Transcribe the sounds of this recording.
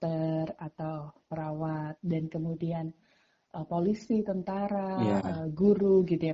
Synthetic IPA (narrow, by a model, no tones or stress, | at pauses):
t̪ərat̪awpəɾawat̪̚dankəmudian | ʔəpolisit̪ənt̪aɾaəɡuɾuɡit̪uja